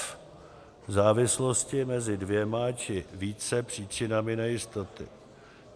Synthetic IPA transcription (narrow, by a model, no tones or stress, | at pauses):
vzaːvɪslo̞scɪmɛzɪdvjɛmat͡ʃɪviːt͡sɛpr̝̥iːt͡ʃɪnamɪnɛjɪst̪ot̪ɪ̰